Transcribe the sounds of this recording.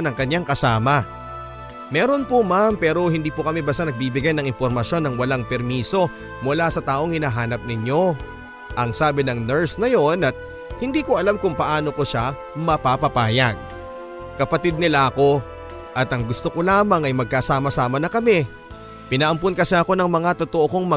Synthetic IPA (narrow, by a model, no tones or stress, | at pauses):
nɐŋkɐɲjaŋkɐsaːmɐ | mɛːɾo̞npʊmampɛːɾo̞hɪnd̪iːpokɐmɪbɐst̪anɐɡ̚bibɪɡajnɐŋɪnpo̞ɾmɐsjo̞nɐŋwɐlaŋpɛɾmiːso̞ | mʊlasɐt̪aːʔo̞ŋhɪnaːɦaːnɐp̚nɪɲo̞ | ʔɐŋsaːbɪnɐŋnɛɹsnɐjo̞nʔɐt̪̚ | hɪnd̪iːkoʔɐlamkʊŋpɐʔaːno̞koʃa | mɐpapɐpaːjɐɡ̚ | kɐpɐt̪id̪̚nɪlaʔɐko̞ | ʔɐt̪ɐŋɡʊst̪oko̞laːmɐŋɐjmɐɡ̚kasaːmɐsaːmɐnɐkɐmɛ | pɪnɐʔɐmponkɐsɛɐko̞nɐŋmɐŋat̪ot̪oʔoko̞ŋmɐ